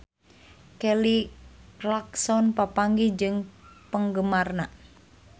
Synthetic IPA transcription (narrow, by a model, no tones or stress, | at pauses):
kɛliraksɔnpapaŋɡid͡ʒɨŋpəŋɡəmarna